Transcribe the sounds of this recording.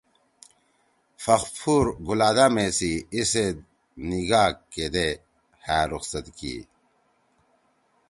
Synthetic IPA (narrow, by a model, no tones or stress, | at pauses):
fɐxfʰuːɾɡulaːd̪aːmesiise | niɡaːkkːed̪e | hæːɾuxsɐt̪kḭː